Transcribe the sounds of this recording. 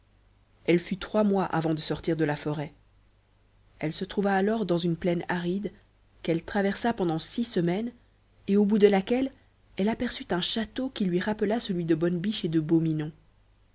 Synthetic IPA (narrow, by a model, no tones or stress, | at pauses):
ɛlfyt̪χwamwaʔa̰vɑ̃d̪əsɔʁt̪iʁd̪əlafɔʁɛ | ɛlsət̪χuvaːlɔʁd̪ɑ̃zynplɛnaʁid̪ | kɛlt̪χavɛʁsapɑ̃d̪ɑ̃sisəmɛn | eobud̪əlakʲɛl | ɛlapɛʁsyt̪ɛ̃ʃat̪okʲilɥiʁapəlasəlɥid̪əbɔnbiʃed̪əbominɔ̃